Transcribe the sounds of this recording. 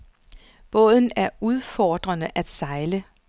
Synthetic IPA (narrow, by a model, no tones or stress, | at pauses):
b̥ɔ̰̽ðˠn̩æɐuð̞ˠfɒːd̥ʁɐnəʔæd̥sɑ̈ɪlə